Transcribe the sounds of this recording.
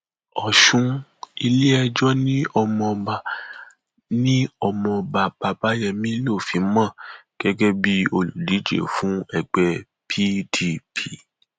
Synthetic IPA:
ɔ˨ʃũ˧i˧le˦ɛ˧d͡ʒɔ˦nĩ˦ɔ˧mɔ̃˧ba˧ | nĩ˦ɔ˧mɔ̃˧ba˧ba˧ba˦jɛ˧˨mĩ˦lo˦˨fi˨˦mã˦˨ | ɡ̥ɛ˨˦ɡɛ˦bi˦o˧lu˨li˨˦d͡ʒḛ˦˨fũ˦ɛ˨ɡ͡bɛ˧ | pʰi˦di˦pʰi˨˦˨

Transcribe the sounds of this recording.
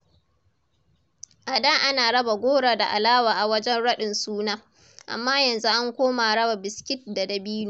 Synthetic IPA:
ʔa˨da˦ʔa˦naː˨ɽɐ˦ba˨ɡʷoː˦ɽaː˨da˨ʔa̰˨laː˦waː˨ʔa˨wɐ˦d͡ʒɛ˦nɽɐ˦ɗɪ˨nsuː˦naː˦ | ʔa̰˨mːaː˦jɐ˨nzu˦ʔa˦ŋkʷoː˦maː˨ɽɐ˦ba˨bɪ˨skʲɪ˦t̚da˨dɐ˨biː˦nuː˨

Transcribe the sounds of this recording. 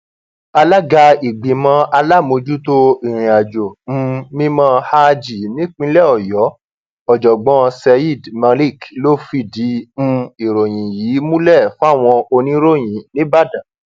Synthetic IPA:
a˧la˦ɡa˧i˨ɡ͡bĩ˨mã˧˦a˧la˦˨mo˧d͡ʒu˦to˦i˨ɾ̃ĩ˨a˨d͡ʒo˨m̩˦mĩ˦mã˦ha˦˧d͡ʒi˨nĩ˦k͡pĩ˧˦lɛ˦˨ɔ˨jɔ˨˦ | ɔ˨d͡ʒɔ˨ɡ͡bɔ̃˧˦sɛ˧i˦˨dma˧li˦˨klo˦fi˧di˨˦m̩̃˧i˨ɾo˨j̃ĩ˨jiː˨˦mũ˦lɛ˦˨fũ˦a˦˨w̃ɔ̃˧o˧nĩ˦ɾo˦˨j̃ĩ˨nĩ˦ba˦˨dã˨

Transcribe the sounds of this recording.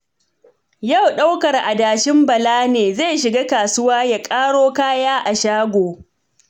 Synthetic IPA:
ja˦˨wɗa˦wkɐ˨rʔa˨daː˨ʃɪ˦mbɐ˨laː˦neː˨zeː˦˨jʃɪ˨ɡaː˦kaː˨sʊ˦waː˦ja˨kʼaː˦ɽoː˦kaː˦jaː˦ʔa˨ʃaː˦ɡʷoː˨

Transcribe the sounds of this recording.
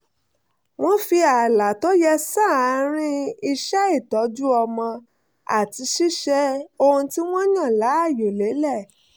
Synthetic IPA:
w̃ɔ̃˦fi˧a˨la˨to˦jɛ˧sa˦˨a˨˦ɾ̃ĩ˦i˧ʃɛ˦i˦˨tɔ˨˦d͡ʒu˦ɔ˧mɔ̃˧ | a̰˨ti˨˧˦ʃi˦ʃɛ˧o˧hũ˧ti˦w̃ɔ̃˦ɲã˦˨la˨˦a˦˨jo˨le˨˦lɛ˦˨

